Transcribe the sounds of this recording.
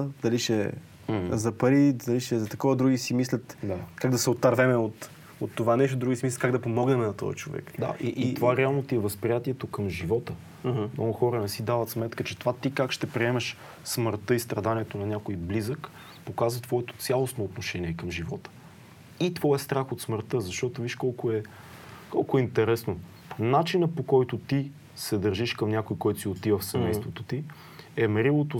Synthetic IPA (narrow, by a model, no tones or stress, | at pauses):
d̪ɐliʃɛ | zɐpɐɾid̪ɐliʃɛzɐt̪ɐkɔvəd̪ɾuɡisimislʲət̪d̪akaɡd̪ɐsɛot̪ːaɾvɛmɛot̪ | ot̪ːovanɛʃt̪od̪ɾuɡʲisimis̬lʲət̪kaɡd̪ɐpomɔɡnɛmnɐt̪ɔ̰jɐ̰t͡ʃovɛ̰kd̪a̰ʔiʔit̪ovaɾɛalˠnot̪iɛvəspɾʲijat̪iɛt̪okəmʒivɔt̪ə | mnɔɡʊxɔɾənɛsid̪avət̪smɛt̪kət͡ʃɛt̪ovat̪ikakʃt̪ɛpɾiɛmɛʃ | sməɾt̪ɤist̪ɾɐd̪aniɛt̪onɐnʲakoiblizək | pokazvət̪vɔɛt̪o̥t̪sʲjalˠosnoːt̪noʃɛniɛkəmʒivɔt̪ə̥ | it̪vɔɛst̪ɾaxot̪sməɾt̪ɤzɐʃt̪ɔt̪oviʃkɔlˠkʊɛ | kɔlˠkʊɛint̪ɛɾɛsno | nat͡ʃinəpokɔjt̪ʊt̪i | sɛd̪əɾʒiʃkəmnʲakojkɔjt̪ʊsiot̪ivəfsɛmɛjst̪vot̪ot̪i | ɛmɐɾilˠot̪o